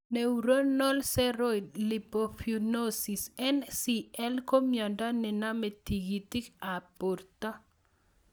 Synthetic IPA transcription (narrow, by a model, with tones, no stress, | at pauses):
neuɾo˦nɔ˦lsɛ˦ɾojdli˨po˨funosi˨sɛnsiɛ˦lko˦mjɔ˨nda˦nɪ˨na˦me˨t̪i˨ɡi˨t̪i˦ka˨po˨rt̪a˦